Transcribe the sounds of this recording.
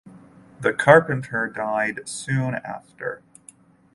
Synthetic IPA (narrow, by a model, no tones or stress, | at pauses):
ðɨkʰɑɹpɨ̃ntʰə˞daɪdsʉ̃næ̰ftʰə̰˞